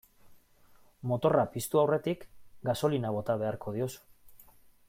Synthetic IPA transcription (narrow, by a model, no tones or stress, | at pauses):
mo̞t̪o̞rapist̪uawre̞t̪ikɡaso̞linaβ̞o̞t̪aβ̞e̞aɾko̞ð̞iosu̥